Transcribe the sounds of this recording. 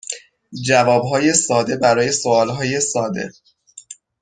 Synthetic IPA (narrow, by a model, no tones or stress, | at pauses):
d͡ʒævɒːbɦɒːje̞sɒːd̪e̞bæɾɒːje̞so̞ɒːlɦɒːje̞sɒːd̪e̞̰